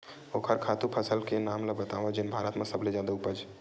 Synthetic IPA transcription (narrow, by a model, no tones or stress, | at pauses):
oːkʰəɾkʰaːt̪upʰəsəlkenaːmlabət̪aːʋad͡ʒɪnbʱaːɾət̪mẽsəbled͡ʒjaːd̪aʊpəd͡ʒ